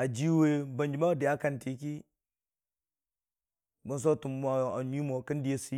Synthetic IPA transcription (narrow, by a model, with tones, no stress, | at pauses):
a˨d͡ʒi˦we˦ba˨nd͡ʒi˨ma˦de˨a˦ka˨nti˨ki˦ | ba˨n˦s̬o˦tu˨mːa˨a˨ni˦mo˨ka˦n˦di˦je˨si˦